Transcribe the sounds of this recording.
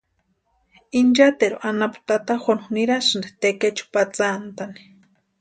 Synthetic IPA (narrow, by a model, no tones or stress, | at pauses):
ind͡ʒat̪eɾuʔanapu̥t̪at̪axʷanxniɾasɨnd̪et̪eket͡ʃu̥pat͡sant̪ani̥